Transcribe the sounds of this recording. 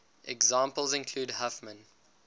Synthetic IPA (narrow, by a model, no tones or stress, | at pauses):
ʔɛɡzɑ̃ːˑmpəlˠzɪ̃nkʰl̥uːdhafmə̃n